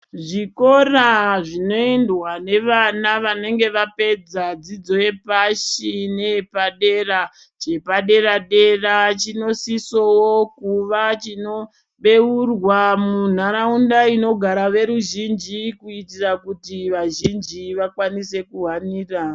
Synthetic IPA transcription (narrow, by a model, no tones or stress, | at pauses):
ʐiko̞raʐino̞endwane̞ʋanaʋane̞ŋɡe̞ʋape̞d͡zad͡zid͡zo̞je̞paʃine̞paɗe̞ra | t͡ʃepaɗe̞raɗe̞rat͡ʃino̞sisowokuʋat͡ʃino̞ | ɓe̞urwamun̤aɾaundaino̞ɡʱaɾaʋe̞ɾuʒind͡ʒikuitirakutiʋaʒind͡ʒiʋakwanise̞kuɦwaniːra